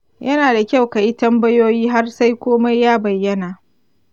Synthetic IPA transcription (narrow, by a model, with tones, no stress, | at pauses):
jʔɐ˦naː˨da˨kʲa˦˨wka˨ji˦tɐ˦mbɐ˦joː˦jiː˦ɦa˦rsa˦jkʷoː˦ma˦jːaː˦bɐ˨jːɐ˦naː˨